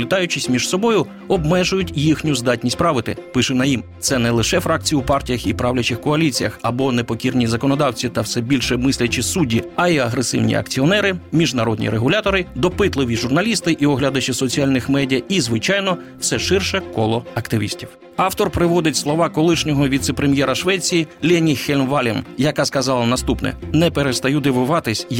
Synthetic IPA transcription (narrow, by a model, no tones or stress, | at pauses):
lʲɪt̪ɑjʊt͡ʃɪsʲmʲiʒsɔbɔjʊ | ɔbmɛʒʊjʊtʲjixnʲʊzd̪ɑtʲnʲisʲtʲpɾɑʋɪt̪ɪ̰pɪʃɛnɐjimt̪sɛnɛlˠɪʃɛfɾɑk̚t͡sʲijʊuwpɑrtʲijɐxipɾɑwlʲɐt͡ʃɪxkɔɐlʲit͡sʲijɐxɐbɔnepɔkʲirnʲizɐkɔnɔd̪ɑwt͡sʲit̪ɐwsɛbʲilʲʃɛmɪsʲlʲɐt͡ʃɪsudʲːiɐiɐɦɾesɪ̰wnʲḭɐ̰kt͡sʲiɔnɛɾɪmʲiʒnɐɾɔd̪ʲnʲḭɾeɦʊlʲat̪ɔɾɪd̪ɔpɪt̪lˠɪʋʲiʒʊrnɐlʲist̪ɪʔiɔɦlʲad̪ɐt͡ʃɪsɔt͡sʲialʲnɪxmɛdʲijɐizʋɪt͡ʃɑjnɔ | wsɛʃɪrʃɛkɔlˠɔɐkt̪ɪʋʲḭsʲtʲiw | ɑwt̪ɔrpɾɪʋɔd̪ɪtʲslˠɔʋɑkɔlˠɪʃnʲɔɦɔʋʲit̪sɛpɾemʲjɛɾɐʃʋɛt͡sʲijilʲɛnʲixelʲmʋɑlʲɛmjɐkaskɐzɑlˠɐnɐst̪upnɛ̰nɛpeɾest̪ɐjud̪ɪʋʊʋɑt̪ɪsʲ